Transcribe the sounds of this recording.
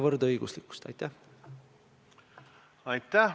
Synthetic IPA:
vɤrd̪ɤjɡ̥uslikːu̥st̪ɑ̰jt̪ːˑæh | ɑjt̪ːæ

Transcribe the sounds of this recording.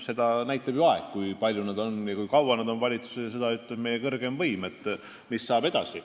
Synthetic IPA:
se̞d̪̥ɑnæjt̪ːˑɑb̥juɑe̞kkːujpɑlʲjunɑd̪̥o̞njɑkujkɑwwɑned̪̥o̞nvɑlʲit̪su̥sejɑse̞d̪ɑyt̪ːˑlebme̞je̞kɤrɡ̥e̞mvɤjmet̪ːˑ | misːɑːbe̞d̪̥ɑsi

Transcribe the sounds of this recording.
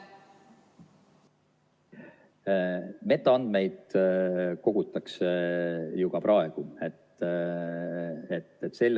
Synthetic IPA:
me̞t̪ːˑoɑnd̪̥mejd̪̥ | ko̞ɡ̥ut̪ːˑɑksejuɡ̥ɑpɾʔɑeɡ̥uet̪ | et̪ːt̪ːse̞lː

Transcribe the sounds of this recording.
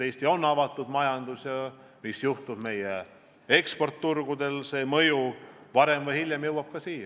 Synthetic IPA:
t̪e̞jst̪io̞nːɑvɑt̪ːˑud̪̥mɑjɑnd̪̥usjɑ | misjuht̪ub̥me̞je | e̞kspo̞rt̪ːurɡ̥ud̪̥e̞lse̞ːmɤjuvɑɾe̞mvɤjhilʲjemjɤwɑb̥̚kɑsiːjɑ

